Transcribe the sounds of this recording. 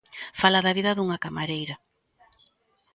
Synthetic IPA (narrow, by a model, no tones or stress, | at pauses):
falaðɐβiðɐðuŋɐkamaɾejɾɐ